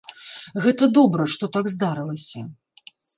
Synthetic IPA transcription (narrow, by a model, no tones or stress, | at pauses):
ɣɛt̪ɐd̪ɔbɾɐʂt̪ɔt̪aɡzd̪aɾɨlˠɐsʲɐ